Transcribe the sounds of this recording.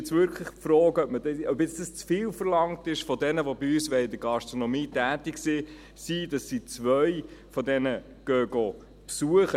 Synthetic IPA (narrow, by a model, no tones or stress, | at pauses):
ɛt͡svʏɾkʰləχfɾɔːɡœpmədœbjɛt͡sd̥ɑst͡sfiːlfəɾlɑŋtɪʃfɔdɛnəʋobiysʋɛɪdəɡɑʃtɾɔnɔmiːtæːtɪksi | siːd̥ɑsːit͡svœɥfɔdɛnə | ɡ̥œːɡo | psuəχə